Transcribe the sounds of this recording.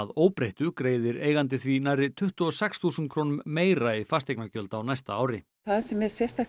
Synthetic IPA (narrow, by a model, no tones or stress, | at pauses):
aðoːwpɾeht̪ʏkɾeːjðɪɾeːjɣant̪̬ɪθvinajrːɪt̪ʰʏht̪ʏɔsɛksθusʏnt̪kʰɾoːnʏmːeːjɾaifast̪eknacœlt̪awnajst̪aaːwɾɪ | θaðsɛmɛɾ̥sjɛst̪a